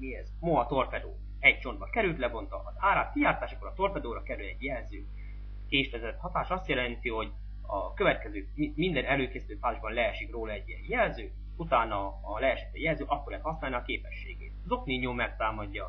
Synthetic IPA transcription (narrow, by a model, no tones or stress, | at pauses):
miɛzmoɦɒt̪o̞rpɛd̪o̰ː | ɛɟ̚t͡ʃo̞nd̪bɒkɛɾylt̪lɛbo̞nt̪ɒ̰ɒzaːɾaːt̪kijaːrt̪aːʃɒkːoɾɒt̪o̞rpɛd̪oːɾɒkɛɾylɛɟjɛlzøː | keːʃt̪ɛzɛt̪hɒt̪aːʃɒst̪jɛlɛnt̪iɦo̞ɟ | ɒkøvɛt̪kɛzøːmimind̪ɛnɛløːkeːsit̪øːpaːziʒbɒnlɛɛʃikroːlɒɛɟːiɛnjɛlzøː | ut̪aːnɒː | lɛːʃit̪ːɛjɛlzøːʔɒkːoɾlɛt̪hɒsnaːlniɒkeːpɛʃːḛːɡḛːt̪zo̞kniɲoːmɛk̚t̪aːmɒɟːɒ